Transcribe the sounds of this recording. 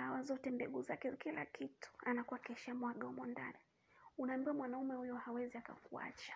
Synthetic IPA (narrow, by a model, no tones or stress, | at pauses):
awazɔtɛmbɛɠuzakɛkila̰kitu̥anakuwakɛʃamwaɠɔmɔnda̰nɛ | unaːmbiwamwanaumɛhujɔhawɛziaka̰kua̰t͡ʃḁ